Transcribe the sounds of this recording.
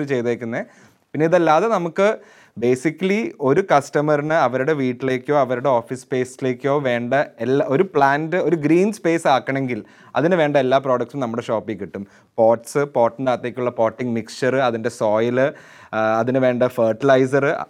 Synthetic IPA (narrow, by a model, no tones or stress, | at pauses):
ɨt͡ɕe̞jt̪eːkʲːunːe | pinːeiðɐlːaːðe̞nɐmukːɨ | be̞ːsikʲːɐlio̞ɾukɐstɐmɐrɳɨɐʋɐɾuɽe̞ʋiːʈːile̞ːkʲːo̞ːɐʋɐɾuɽe̞oːfispe̞ːsile̞ːkʲːo̞ːʋe̞ːɳɖɐelːo̞ɾupɭaːndɨo̞ɾuɡɾiːnspe̞ːsaːkːɐɳe̞ŋɡil | ɐ̰ðinɨʋe̞ːɳɖɐelːaːproːɽɐkʈsumnɐmːuɽeʂo̞ːpːiŋkiʈːum | po̞ːʈsɨpo̞ːʈːnɖaːt̪ːeːkʲːuɭːɐpo̞ːʈːiŋmikst͡ʃɐrɨɐðinde̞so̞ːjlɨ | ɐðinɨʋe̞ːɳɖɐfɐːrʈːilɐjs̬ɐrɨ